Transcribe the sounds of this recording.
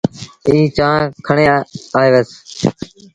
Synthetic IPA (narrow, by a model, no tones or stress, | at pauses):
iːt͡ʃãːkʰəɳeːaːeːʋes